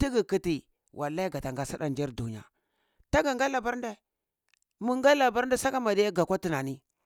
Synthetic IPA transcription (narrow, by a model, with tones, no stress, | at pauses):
ti˦ɡi˨ki˦ti˨ | wʔa̰˨la˦i˦ɡa˨ta˨ŋɡa˦sa˦da˦nd͡ʒe˦ɾdu˨ɲa̰˨ | ta˦ɡa˨ŋɡa˦la˨ba˦ɾda˦˨ | mu˦ŋɡa˦la˨ba˦ɾn˦da˦sa˦ka˦ma˨di˦ja˦ɡa˨kʷa˦ti˦na˨ni˦